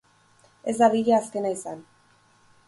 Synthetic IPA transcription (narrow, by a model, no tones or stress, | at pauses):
e̞zd̪aβiʎaːske̞naisan